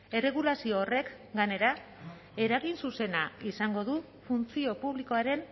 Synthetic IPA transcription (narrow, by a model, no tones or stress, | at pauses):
e̞reɣ̞ulasio̞ːre̞k | ɡane̞ɾa | e̞ɾaɣinsuse̞naisaŋɡo̞ðu | funt͡sio̞puβliko̞aɾe̞n